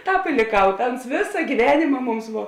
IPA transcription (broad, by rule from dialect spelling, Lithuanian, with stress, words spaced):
ˈtɑːp ɪ lʲeːˈkɐʊ ˈtɐ ˈʊns ˈʋʲeːsɐ ɡʲiːˈʋʲæːnʲeːmɐ ˈmʊms ˈʋoː